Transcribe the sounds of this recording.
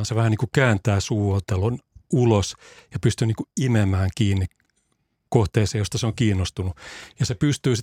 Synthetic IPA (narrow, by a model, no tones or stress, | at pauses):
nseʋæhæniːkukæːnt̪æːsuːot̪elonulosjɑpyst̪yniːŋkuimemæːŋkiːnːi | koht̪eːseːjost̪ɑseoŋkiːnːost̪unujɑsepyst̪yːsi